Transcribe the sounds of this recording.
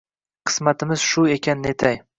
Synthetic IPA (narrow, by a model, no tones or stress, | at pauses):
qʰɨ̥smat̪ʰɪmɪz̥ʃʊe̞kʲʰanːɪet̪ʰaj